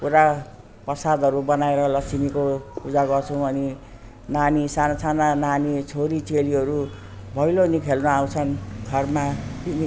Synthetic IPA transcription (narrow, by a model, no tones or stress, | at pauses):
kuɾa | prʌsad̪ʱʌɾubʌnaeɾʌlʌsimikopud͡zaɡʌrt͡sʰũʌni | nanisanasanananit͡sʰoɾit͡seliɦʌɾu | bʱʌjlonikʰelnuawt͡sʰʌnɡʱʌrmasimi